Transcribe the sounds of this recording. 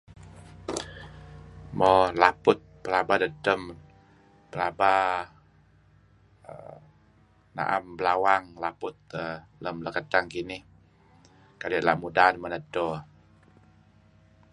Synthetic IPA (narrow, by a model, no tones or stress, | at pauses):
mɔlapʊt̪̚pəlabadədəm | pəlaba | ə̰ | na̰ʔa̰mbəlawaŋlapʊt̪̚ə | ləmləkət̪aŋkinɪh | kaliaʔla̰mudaanmənədo